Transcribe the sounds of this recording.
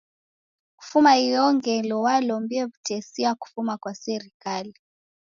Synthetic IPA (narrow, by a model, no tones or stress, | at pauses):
ku̥fumaijɔŋɡɛlɔwalɔmbiɔβutɛsiaku̥fumakwasɛɾikali